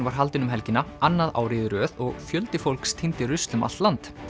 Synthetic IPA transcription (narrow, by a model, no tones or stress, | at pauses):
nvaɾ̥ɦalt̪ɪnʏmɦɛlcɪnːaanːaða̰wɾɪːðɪɾœːðɔɣfjœlt̪ɪfowlkst̪ʰɪnt̪ɪrʏst̪lʏma̰lt̪lant̪